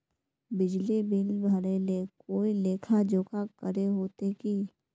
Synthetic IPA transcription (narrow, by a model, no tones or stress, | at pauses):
bɪd͡ʒlibɪnbʱəɾelekoːileːkʰad͡ʒoːkʰakəɾeɦoːt̪eki